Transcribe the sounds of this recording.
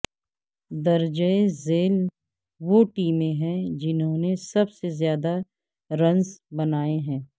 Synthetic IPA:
d̪ɐɾd͡ʒəezeːl | ʋoʈiːmẽɦɛ̃d͡ʒɪnɦõnesɐbsezjaːd̪a | ɾɐ̃nsbɐnaːeɦɛ̃ː

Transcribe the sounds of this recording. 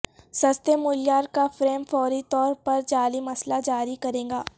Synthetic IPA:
sɐst̪emʊljaːɾkafɾeːmfɔːɾit̪ɔːɾpɐɾd͡ʒaːlimɐslad͡ʒaːɾikɐɾẽːɡaː

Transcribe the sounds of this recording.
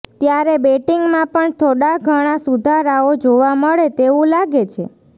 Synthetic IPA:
t̪jaɾebeʈiŋɡmãpəɳt̪ʰoɽaɡʱəɽ̃asud̪ʱaɾaod͡ʒoʋaməɭet̪eʋũlaɡet͡ʃʰḛ

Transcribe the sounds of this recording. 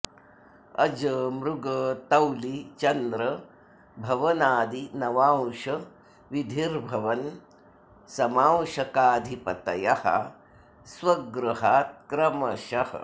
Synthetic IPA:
ɐd͡ʒəmɾuɡɐt̪ɐwlit͡ʃɐnd̪ɾɐ | bʱɐʋɐnaːd̪inɐʋaːwʃɐ | ʋid̪ʱiɾbʱɐʋɐn | sɐmaːwʃɐkaːd̪ʱipɐt̪ɐjɐhɐ̰ | swɐɡɾuɦaːt̪̚kɾɐmɐʃɐhɐ̰

